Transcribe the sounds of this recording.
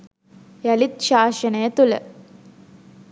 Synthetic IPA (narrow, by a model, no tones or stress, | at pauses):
jɐlit̪̚ʃaːʃɐneːt̪ulɐ̰